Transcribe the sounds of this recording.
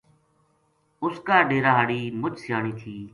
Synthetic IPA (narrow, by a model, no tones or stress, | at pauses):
ʊskaːɖeːɾaːɦaɽiːmʊt͡ʃsɪjaːɳiːt̪ʰiː